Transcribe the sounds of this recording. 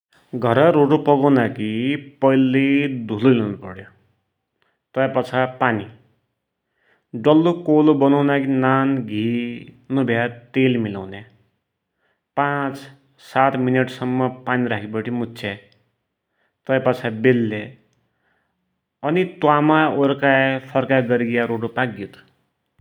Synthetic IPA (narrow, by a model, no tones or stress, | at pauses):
ɡʱʌɾʌɾoʈopʌɡʌwnakipʌjlːed̪ʱulolewnupʌɽjo | t̪ʌjapat͡sʰapani | ɖʌlːokolobʌnʌwnakinanɡʱinubʱjat̪elmilawne | pãt͡s | sat̪mineʈsʌmːʌpaniɾakʰibʌʈʰimutːt͡sʰe | t̪ʌjpʌt͡sʰabelːe | ʌnit̪wamaoɾkajpʰʌrkaɡʌɾiɡjaɾoʈopakɡit̪ʰ